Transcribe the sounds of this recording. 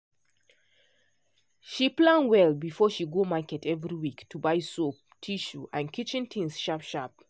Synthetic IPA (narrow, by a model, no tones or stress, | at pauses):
ʃiplãnwɛlbifɔʃiɡomakɛtʰɛvɹiwiktʰubaɪsop | tʰiʃuʔãnkʰit͡ʃɪ̃ntʰĩnsʃapʃap̚